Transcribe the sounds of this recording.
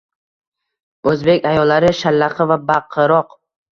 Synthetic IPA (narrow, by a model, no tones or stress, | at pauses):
ɵzbe̞kʲajɒlːaɾɪʃalːaχɨvabaqʰːɨɾɒq